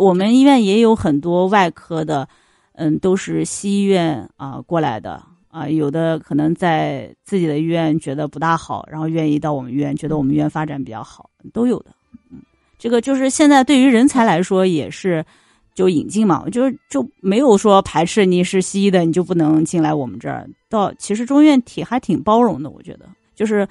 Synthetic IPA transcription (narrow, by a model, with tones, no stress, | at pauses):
wɔ˨˩mə˦ni˥ɥɛ˥˩njɛ˧˥jo˧˥ʊxə˨˩nt̪wɔ˥wa˥˩ɪkʰɤ˥d̪ə˨ | n̩˥˩t̪o˥ʊʂɻ̩˥˩ɕi˥i˥ɥɛ˥˩nə̰˧kwɔ˥˩la˧˥ɪd̪ə̰˧ | ə˧jo˨˩ʊd̪ə˦kʰɤ˨˩nɤ˧˥ŋt͡sa˥˧ɪt͡sɹ̩˥˩t͡ɕi˨˩d̪ə˦i˥˧˥ɥɛ˥˩nt͡ɕɥɛ˧˥d̪ə˧pu˧˥t̪a˥˩xɑ˨˩˦ʊɻa˧˥nxo˥˧ʊɥɛ˥˧ni˥˧t̪ɑ˥˩ʊwɔ˨˩mə˦˧˥ɥɛ˥˩nt͡ɕɥɛ˧˥d̪ə˧wɔ˨˩mə˦n˥ɥɛ˥˩nfa˥ʈ͡ʂa̰˨˥npi˨˩t͡ɕjɑ̰˥˩xɑ˨˩˦ʊ˧t̪o˥ʊjo˨˩ʊd̪ə̥˦n̩˥˩ | ʈ͡ʂɤ˥˩ɡə˩t͡ɕjo˥˧ʂ̬ɻ̩˥˧ɕjɛ˥˧nt͡sa˥˧ɪt̪we˥˩ɪy˧˥ɻə˧˥nt͡sʰa˧˥ɪla˧˥ɪʂwɔ˥jɛ˨˩ʂɻ̩˥˧ | t͡ɕjo˥˩ʊḭ˨˩ŋt͡ɕi˥˩ŋmɐ̰˩t͡ɕjo˥˧ʊʂɻ̩˥˩t͡ɕjo˥˩ʊme˧˥ɪjo˨˩ʊʂwɔ˥pʰa˧˥ɪʈ͡ʂʰɻ̩˥˩ni˨˩ʂɻ̩˥˩ɕi˥d̪ə˨ni˨˩t͡ɕjo˥˧ʊp̬u˥˩nɤ˧˥ŋt͡ɕi˥˩ŋla˧˥ɪwɔ˨˩mə̰˦nʈ͡ʂɤ̰˥˩˧t̪ɑ˥˩ʊt͡ɕʰi˧˥ʂɻ̩˧˥ʈ͡ʂʊ˥ŋi˥ɥɛ˥˩nt̪ʰi˨˩xa˧˥ɪt̪ʰi˨˩ŋpɑ˥ʊɻʊ˧˥ŋd̪ə˧wɔ̰˨˩t͡ɕɥɛ̰˧˥d̪ə̰˧ | t͡ɕjo˥˧ʊʂɻ̩˥˩